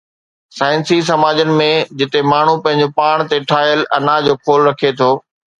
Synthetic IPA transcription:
saːɪnsis̬ɐmaːd͡ʑənɪ̆mẽd͡ʑɪt̪emaːɳ̤upɐ̃ɦɪ̃ɲ̆d͡ʑopaːɽ̃t̪eʈʰaːjəlʔɐnad͡ʑoːkʰoːlɾɐkʰet̪ʰoː

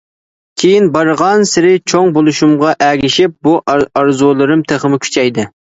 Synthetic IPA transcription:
kʲʰejinbɑɾʁɑnsɪɾɪt͡ʃʰoŋbolˠuʃumʁɑʔæɡʲɪʃɪp̚buʔɑɾzulˠɨɾɨmt̪ʰeχəmɪkʲʰy̥t͡ʃʰɛjd̪ɨ

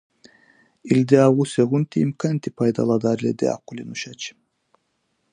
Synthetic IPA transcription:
ild̪eaʁuseɣunt̪iimkant̪ipʰajd̪ɑ̰lˠɑd̪ɑɾlʲed̪ḛa̰qulʲenuʃat͡ʃ

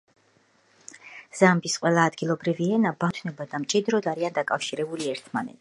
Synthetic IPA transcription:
z̥ambisqʼwɛlˠaːd̪ɡilˠɔbɾiviɛnabat̪ʰwnɛbad̪amt͡ʃʼid̪ɾɔd̪aɾiand̪akʼafʃiɾɛbuliɛɾt̪ʰma̰nɛ̰t̪s

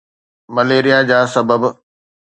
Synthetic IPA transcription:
mɐleːɾijad͡ʑaːsɐbəb

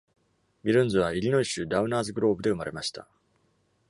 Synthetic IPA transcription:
bʲiɾɯ̟̃nzɨβ̞aiɾʲinoiɕɨːd̪aɯ̟̃naːzɨɡɯ̟ɾo̞ːbɯ̟d̪e̞ɯ̟maɾe̞maɕi̥t̪a̰

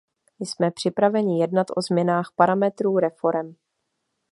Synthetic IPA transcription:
ɪsmɛpr̝̥ɪpɾavɛɲɪjɛdnat̪ʔo̞zmɲɛnaːxpaɾamɛt̪ɾuːɾɛfo̞ɾɛm

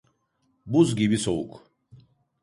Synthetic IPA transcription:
buzɡibisouk

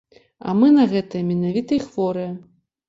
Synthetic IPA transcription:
ɐ̰mɨnɐɣɛt̪ɐjɐmʲɛnavʲit̪ɐixvɔɾɨjɐ

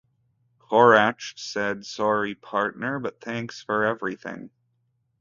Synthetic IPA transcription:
kʰɔɹæt͡ʃsɛdsɔɹipʰɑɹtⁿnə˞bʌt̪̚θæ̃ŋksfə˞ɛvɹiθɪ̰̃ŋ

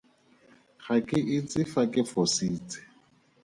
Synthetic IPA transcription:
χakʼɪʔɪt͡sʼɪfakʼɪfɔsiːt͡sʼɪ̥

